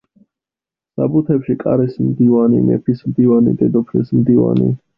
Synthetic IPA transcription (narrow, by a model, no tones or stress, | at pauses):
sabut̪ʰɛpʃikʼaɾɛsmd̪ivanḭmɛ̰pʰismd̪ivanḭd̪ɛd̪ɔpʰɾḭsmd̪iva̰nḭ